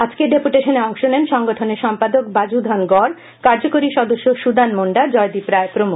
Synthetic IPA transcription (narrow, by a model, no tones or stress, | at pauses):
ad͡ʑkeɖepuʈeʃoneɔŋʃonemʃɔŋɡoʈʰoneɾʃɔmpad̪okbad͡ʑud̪ʱanɡɔɾ | kaɾd͡ʑokoɾiʃɔd̪oʃːoʃud̪anmoɳɖad͡ʑɔjd̪ipɾaepɾomu